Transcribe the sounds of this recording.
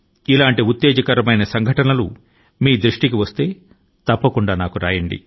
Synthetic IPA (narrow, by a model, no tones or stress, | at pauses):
ilaːɳʈiut̪ːeːd͡ʒɐkɐɾɐmɐjnɐsɐŋɡʱɐʈɐnɐlṵ | miːd̪ɾuʂʈikiʋɐst̪e̞ː | t̪ɐpːɐkuɳɖaːnaːkuɾaːjɐɳɖḭ